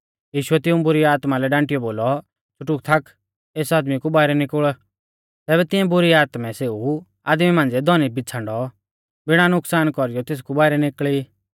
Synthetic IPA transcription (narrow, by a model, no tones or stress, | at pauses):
jiːʃʊɛt̪ɪũbʊɾiaːt̪malɛɖãːɳʈɪjɔboːlɔ | t͡ʃʰʊʈuk̚t̪ʰakʰ | eːsaːd̪mikubaːɪɾɛnɪkəɭ | t̪ɛːbɛt̪ɪ̃jɛ̃bʊɾiaːt̪mɛ̃seːu | a̰ːd̪mimãːnd͡zɛd̪ʱɔnibɪt͡sʰãɳɖɔ | bɪɽ̃anʊksaːnkɔɾɪjɔt̪eːs̬kubaːɪɾɛnɪkɭi